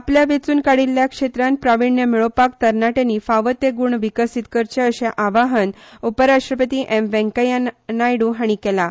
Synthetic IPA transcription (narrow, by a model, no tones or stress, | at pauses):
apljaʋet͡suːnkaɽilːjakʂet̪ɾãn̚pɾaʋiɳjəmiɭopak̚t̪əɾnaʈenifaʋət̪eɡuɳʋikəsit̪kəɾt͡ɕəəɕaʔaʋaɦən | upəɾaʂʈɾəpət̪iːʔemʋɛ̃ŋkəjanajɽuɦaɽ̃ikɛla